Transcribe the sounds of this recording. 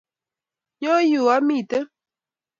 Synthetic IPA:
jɔ˦ju˨a˦mi˦˨tə˦

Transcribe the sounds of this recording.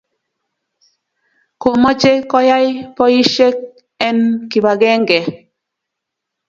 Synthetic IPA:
ko˨mɔ˦t͡ʃe˦kɔ˦ja˦jpɔ˦i˦ʃe˦k̚ | ɛ˦nki˨ba˨ɡe˦ŋɡe˨

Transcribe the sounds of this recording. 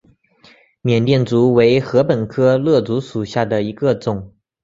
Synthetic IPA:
mjɛ˨˩nt̪jɛ˥˩nt͡su˧˥we˧˥ɪxɤ˧˥pə˨˩nkʰɤ˥lɤ˥˩t͡su˧˥ʂu˨˩ɕja˥˩d̪ə˩i˧˥ɡə˧t͡sʊ˨˩˦ŋ

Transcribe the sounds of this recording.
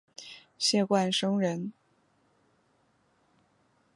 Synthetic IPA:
ɕjɛ˥˧kwa˥˩nʂɤ˥ŋɻə˧˥n

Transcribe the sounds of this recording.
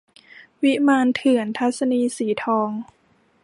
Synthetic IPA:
wi˦˥maː˧nt̪ʰɯ˨˩˦ənt̪ʰa˦˥t̪̚sa˧niː˧siː˩˦t̪ʰɔː˧ŋ

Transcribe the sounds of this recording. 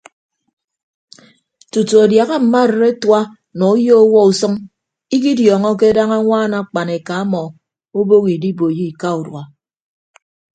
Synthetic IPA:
tu˨tu˨a˨dja˨ɣa˦m̩˨ma˦˨ɾɾe˦twa˦ | nɔ˨u˦jo˦ɔ˦wɔ˦u˨sɨ˦ŋ | i˦ki˦djɔː˨ŋɔ˦k̬e˦da˦ŋa˦ŋʷaː˦˨˦na˨k͡pa˨ne˨ka˨a˦mɔ˨ | o˦bo˦ɣi˨di˦bo˨ji˦i˨ka˦u˨dwa˨

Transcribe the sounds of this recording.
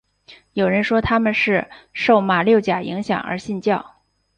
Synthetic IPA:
jo˨˩ʊɻə˧˥nʂwɔ˥t̪ʰa˥mə˨nʂɻ̩˥˧ʂo˥˩ʊma˨˩ljo˥˩ʊt͡ɕja˨˩ḭ˧˥ŋɕjɑ̰˨˩ŋə̰˞˧˥ɕi˥˧nt͡ɕjɑ˥˩ʊ

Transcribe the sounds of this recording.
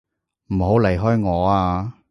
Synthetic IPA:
m̩˨˩ho˨˥wle˨˩jɦɔː˥jŋɔː˨˧aː˧

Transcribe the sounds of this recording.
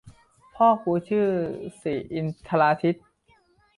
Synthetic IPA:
pʰɔː˥˩kuː˧˦t͡ɕʰɯː˥˩siː˨˩˦ʔi˧nt̪ʰa˧laː˧t̪ʰi˦˥t̪̚

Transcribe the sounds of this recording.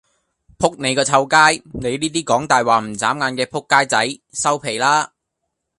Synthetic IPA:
pʰʊ˥k̚ne˨˧jkɔː˧t͡sʰɐ˧wkaː˥jne˨˧jniː˥t̪iː˥kɔː˨˥ŋt̪aː˨jwaː˨˩m̩˨˩t͡saː˨˥mŋaː˨˧nkɛː˧pʰʊ˥kːaː˥jt͡sɐ˨˥jsɐ˥wpʰe˨˩jlaː˥

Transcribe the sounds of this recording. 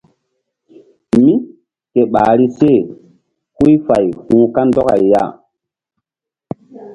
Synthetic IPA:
mi˦ | ke˨ɓa˨ɾi˦se˦˨ | hu˦jfa˨jhũ˦ka˦ndɔ˦ka̰˨ja̰˦˨

